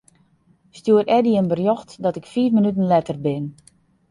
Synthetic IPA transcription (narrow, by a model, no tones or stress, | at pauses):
stjuəɾʔɛdiənbərjoxtdɔtɪkfiːfmənytən̩lɛtərbɪn